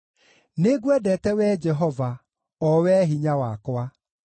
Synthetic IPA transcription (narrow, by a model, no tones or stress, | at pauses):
neɡuɛdɛtɛwɛd͡ʒɛɦɔva | ɔwɛɦiɲawakwa